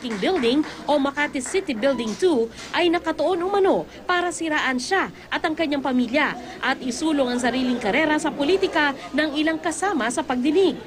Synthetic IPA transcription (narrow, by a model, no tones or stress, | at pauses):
kɪŋbɪld̪ɪŋʔomɐkat̪ɪsɪt̪ɪbɪld̪ɪŋt̪uʔɐjnɐkɐt̪oʔo̞nʊmɐno̞ | paːɾɐsɪɾaːʔɐnʃaʔɐt̪ɐŋkɐɲːaŋpɐmiːljɐ | ʔɐt̪ɪsuːloŋɐŋs̬ɐɾiːlɪŋkɐɾɛɾɐsɐpoliːt̪ɪkɐnɐŋɪlaŋkɐsaːmɐsɐpɐɡ̚d̪ɪnɪɡ̚